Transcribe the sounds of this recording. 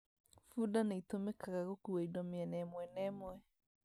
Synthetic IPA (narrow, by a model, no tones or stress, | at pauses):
fudanaitomekaɣaɣokuwaidɔmeɛnɛmwɛnɛːmoɛ